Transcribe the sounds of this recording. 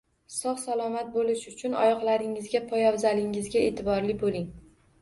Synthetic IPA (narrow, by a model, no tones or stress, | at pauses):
sɒχsalˠɒmat̪̚bolɪʃʊt͡ʃʰʊnɒ̰jɒqlaɾɪŋɪzɡʲapʰɒjɒwzalɪŋɪzɡʲae̞̰ːt̪ʰɪbɒɾlɪbolɪŋ